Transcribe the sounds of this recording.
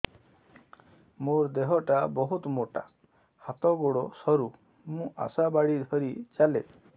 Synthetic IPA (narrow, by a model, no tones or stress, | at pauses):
moɾd̪eɦɔʈabɔɦut̪moʈa | hat̪ɔɡoɽɔsɔɾu | mũʔa̰sabaɽid̪ʱɔɾit͡ʃale